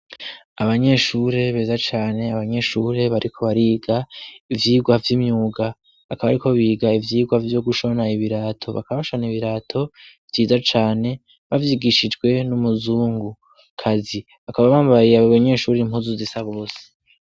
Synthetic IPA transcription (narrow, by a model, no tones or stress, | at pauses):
aβaɲe̞ʃuɾe̞βe̞ːzat͡ʃaːne̞aβaɲe̞ʃuɾe̞βaɾʔikʰo̞βaɾiːɡaivjiːɡwavjimɲuːɡa | βakaβaɾikʰo̞βiːɡaivjiːɡwavjo̞ɡuʃo̞naiβiɾaːtʰo̞βa̰kaaβaʃoniβiɾatʰo̞v̥jiːzat͡ʃaːne̞ | βavjiɡiʃid͡ʒɡwe̞numuzuːŋɡu | kʰazi | βakaβaβaːmbaijaβaɲe̞ʃuɾiim̥uzuzisaβo̞ːse